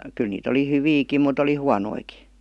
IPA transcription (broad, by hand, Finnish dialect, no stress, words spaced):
kyl niːt oli hyʋiːkim mut oli huɑnoiki